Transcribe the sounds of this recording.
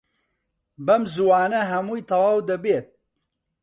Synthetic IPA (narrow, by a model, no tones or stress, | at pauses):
bɐmzuwaːnɐɦɐmuːjt̪ʰɐwaːwd̪ɐbeːt̪̚